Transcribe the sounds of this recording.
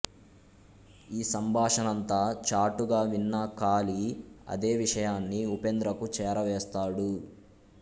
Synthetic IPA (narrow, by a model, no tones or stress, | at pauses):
iːsɐmbʱaːʂɐnɐnt̪aːt͡ʃaːʈuɡaːʋinːɐkaːliɐ̰d̪eːʋiʂɐjaːnːiupend̪ɾɐkut͡ʃɛːɾɐʋɛːst̪aːɽu